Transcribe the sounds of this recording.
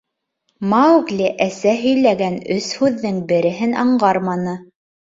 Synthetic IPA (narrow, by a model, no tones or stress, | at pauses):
mɑɡlʲɘʔæsæɦɵ̆jlæɡænɵshʉðːɘŋbɘ̆ɾɘ̆ɦɘnɑɴɢɑɾmɑnɤ